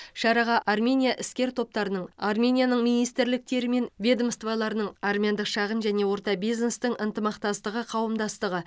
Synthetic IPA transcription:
ʃɑɾɑʁɑʔarmʲe̞nʲijaʔɪskʲe̞ɾt̪ʰo̞p̚t̪ɑɾənəɴɑrmʲe̞nʲijanəɴmijnijst̪ɪɾlɪk̚t̪e̞ɾɪme̞nvʲed̪əmst̪vɑlˠɑɾənəɴarmʲejand̪əqʃɑʁənʒæne̞wo̞ɾt̪ɑbijzne̞st̪ɪŋʔənt̪əmɑqt̪ɑst̪əʁəqʰɑwəmd̪ɑst̪əʁə

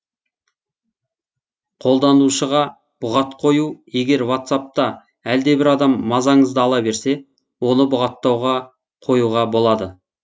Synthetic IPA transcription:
qʰo̞lˠd̪ɑnuʃəʁɑ | b̥ʊʁɑt̪qʰo̞juje̞ɡʲe̞ɾwat̪sap̚t̪ɑ | æld̪e̞bɪɾɑd̪ɑmːɑzɑɴəzd̪əɑlˠɑbe̞ɾse̞ | wo̞nəbʊʁɑt̪ːɑwʁɑ | qʰo̞juʁɑbo̞lˠɑd̪ə

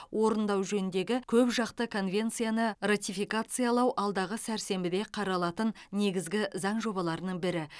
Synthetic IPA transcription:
wʔo̞ɾənd̪ɑwʒɵnɪnd̪e̞ɡʲɪkʲʰɵpʒɑqt̪əkʰo̞nvʲe̞nt̪sɨjanərat̪ifikat̪sɨjalˠɑwʔɑlˠd̪ɑʁəsæɾse̞mbɪd̪e̞qʰɑɾɑlˠɑt̪ənːe̞ɡʲɪzɡʲɪzɑɴʒo̞bɑlˠɑɾənəɴbɪɾɪ

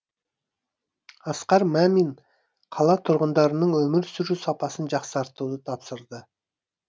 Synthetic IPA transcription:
ɑsqɑɾmæmin | qʰɑlˠɑt̪ʰʊɾʁənd̪ɑɾənəɴwɵmɪɾsʏɾusɑpɑsənʒɑqsɑɾt̪ud̪ət̪ʰɑpsəɾd̪ə

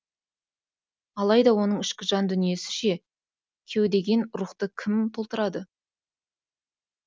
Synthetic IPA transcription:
ɑlˠɑjd̪ɑwo̞nəɴɪʃkʲɪʒɑnd̪ʏnije̞sɪ̥ʃe̞ | kʲʰe̞wd̪e̞ɡʲe̞nʊɾʊχt̪əkʲʰɪmt̪ʰo̞lˠt̪əɾɑd̪ə

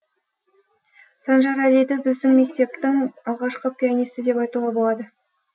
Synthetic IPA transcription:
sɑnʒɑɾæled̪ɪbɪzd̪ɪŋme̞k̚t̪e̞p̚t̪ɪŋɑlˠʁɑʃqəpʲijanijst̪ɪd̪e̞pɑjt̪ulˠʁɑbo̞lˠɑd̪ə

